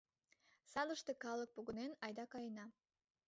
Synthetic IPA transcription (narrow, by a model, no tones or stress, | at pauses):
sɑlˠəʃt̪ɤkɑlˠək̚poɣənenɑjd̪ɑkɑjənɑ